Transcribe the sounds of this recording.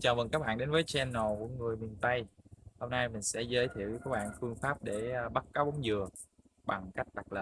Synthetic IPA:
t͡ɕaː˨˩və˨˩ŋkaː˦˥k̚ɓa̰ː˧˨ɗe˨˦nvəː˨˦jt͡ɕːnːo˨˩kṵ˧˩əŋɨ˨˩əjmi˨˩ənt̪ə˧jho˧mna˧jmï˨˩ŋ̟sɛ̰˧˥zəː˨˦jt̪ʰḭ˧˨əwɲə˧˩kaː˦˥k̚ɓa̰ː˧˨nfɨ˧əŋfaː˦˥p̚ɗe˧˩˧ɓa˦˥t̚kaː˨˦wɓa˨˦ŋ͡mzɨ˨˩ə | ɓa˨˩ŋka˦˥jk̟̚ɗa˨˩k̚lə̰ː˨˩

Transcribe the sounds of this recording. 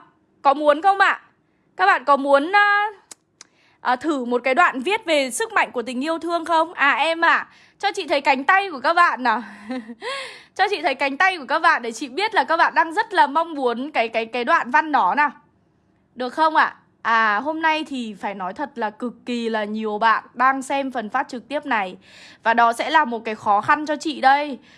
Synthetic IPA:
kɔ˨˦mu˨˦ənxə˧wŋ͡mʔa̰ː˧˨ | kaː˦˥k̚ɓa̰ː˧˨nkɔ˨˦mu˨˦ənː˨˧ | ʔəː˨˩t̪ʰɨ˧˩mo˨˩t̚kaː˨˦jɗwa̰ː˧˨nvi˦˥ət̚ve˨˩sɨ˦˥k̚ma̰˧˨jŋ̟ku˧˩ət̪ï˨˩ŋ̟ʔi˧əwt̪ʰɨ˧əŋxə˧wŋ͡mʔaː˨˩ʔɛ˧mʔaː˨˩ | t͡ɕɔ˧t͡ɕḭ˧˨t̪ʰə˨˦jka˨˦jŋ̟t̪a˧jku˧˩əkaː˦˥k̚ɓa̰ː˧˨na˨˩ | t͡ɕɔ˧t͡ɕḭ˧˨t̪ʰə˨˦jka˨˦jŋ̟t̪a˧jku˧˩əkaː˦˥k̚ɓa̰ː˧˨nɗe˧˩t͡ɕḭ˧˨ɓi˦˥ət̚laː˨˩kaː˦˥k̚ɓa̰ː˧˨nɗaː˧ŋzə˦˥t̚laː˨˩ma˧wŋ͡mmu˨˦ənkaː˨˦jkaː˨˦jkaː˨˦jɗwa̰ː˧˨nva˧nɗɔ˨˦na˨˩ | ɗɨ˨˩ək̚xə˧wŋ͡mʔa̰ː˧˨ | ʔaː˨˩ɦo˧mna˧jt̪ʰi˨˩faː˧˩jnɔ˨˦jt̪ʰə˨˩t̚laː˨˩kɨ˨˩kːi˨˩laː˨˩ɲi˨˩əwɓa̰ː˧˨nɗaː˧ŋsɛ˧mfə˨˩nfaː˦˥t̚t͡ɕɨ˨˩k̚t̪i˦˥əp̚na˨˩j | vaː˨˩ɗɔ˨˦sɛ̰˧˥laː˨˩mo˨˩t̚kaː˨˦jxɔ˨˦xa˧nt͡ɕɔ˧t͡ɕḭ˧˨ɗə˧j

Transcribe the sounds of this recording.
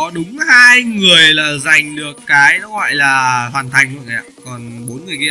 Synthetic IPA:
ɔ˨˦ɗʊ˨˦ŋ͡mhaː˧jŋɨ˨˩əjlaː˨˩za˨˩jŋ̟ɗɨ˨˩əkːaː˨˦jɗɔ˨˦ɣɔ̰˧˨jlaː˨˩hwaː˨˩nt̪ʰa˨˩jŋ̟lə̰˧˨ŋʔa̰˨˩kɔ˨˩nɓo˨˦nŋɨ˨˩əjki˧

